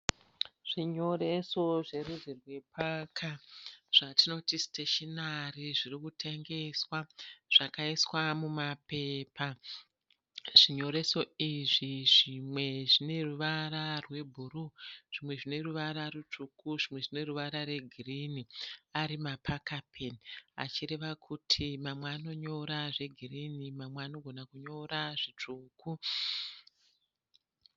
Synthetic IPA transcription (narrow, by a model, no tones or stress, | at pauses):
ʐ̥iɲo̞ɾe̞so̞ʐe̞ruzirwe̞pakʰaʐ̥atino̞tisteʃenariʐirikutʰeŋɡe̞swaʐ̥akaiswamumape̞pʰa | ʐ̥iɲo̞ɾe̞so̞iʐiʐimwe̞ʐine̞ruʋaɾarwe̞bʱuɾuʐ̥imwe̞ʐine̞ruʋaɾarut͡ʂukuʐimwe̞ʐine̞ruʋaɾaɾe̞ɡʱiriniaɾimapʰakapʰena̰t͡ʃiɾe̞ʋakʰutʰimamwaːno̞ɲo̞ɾaʐe̞ɡʱirinimamwaːno̞ɡʱo̞nakuɲo̞ɾaʐit͡ʂuːkʰu